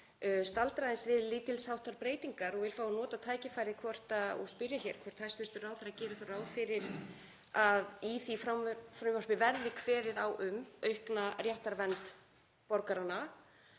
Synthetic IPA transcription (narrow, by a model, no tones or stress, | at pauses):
st̪alt̪ɾajðɪnsvɪðliːt̪ɪlshawht̪aɾpɾeːjt̪iŋkaɾɔɣvɪlfaːwanɔːt̪at̪ʰaːjcɪfajɾðɪkʰvɔr̥t̪aɔ̰ɣspɪɾjaçɛɾ̥kʰvɔr̥t̪ʰajst̪ʏst̪ʏraːwθaɾacɛːɾɪθoraːwðfɪɾɪɾ̥ | aðiθifɾamvfɾʏvɔr̥pɪvɛɾðɪkʰvɛːɾɪðawʔʏmœɥhknarjaht̪aɾvɛnt̪ | pɔɾkaɾana